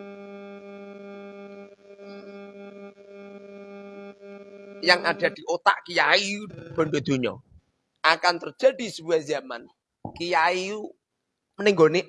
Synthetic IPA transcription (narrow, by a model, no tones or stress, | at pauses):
jaŋʔaɖ̥a̤d̪̥i̤ʔot̪a̰ʔkijaiub̥ɔ̤ndod̪̥ṳɲɔ̰ | ʔakant̪ərd͡ʒ̥a̤ɖi̤səbuɛzama̰n | kijaiu | məniŋɡone